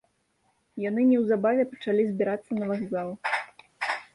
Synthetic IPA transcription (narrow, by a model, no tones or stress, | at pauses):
janɨnʲɛwzabavʲɛpɐt͡ʂalʲizʲbʲɛɾat̪sːɐnɐvaɣzalˠ